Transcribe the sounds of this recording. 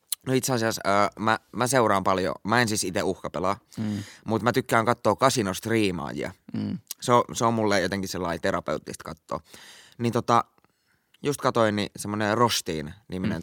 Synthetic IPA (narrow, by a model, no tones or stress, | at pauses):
noit̪seɑsiɑsəːmæmæseurɑːmpɑljo̰mɑensisit̪euhkɑpelɑːmut̪mæt̪ykːæːŋkɑt̪ːoːkɑsinost̪riːmɑ̰ːjḭɑ̰seoseommulːejot̪eŋkiselːɑit̪eɾɑpḛut̪ːist̪kɑt̪ːo̰ːnit̪ot̪ɑ | just̪kɑt̪oinnisemːonerost̪iːnniminḛn